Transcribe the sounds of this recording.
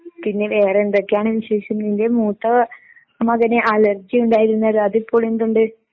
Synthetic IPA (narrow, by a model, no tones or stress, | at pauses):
pinːeʋeːrɐnd̪okːejaːɳɨʋiɕeːɕɐmnindemuːt̪ːɐ | mɐɣɐneʔaːlɐrd͡ʑiuɳɖaːjiɾunːɐðɨɐðipːo̞ːɭend̪uɳɖɨ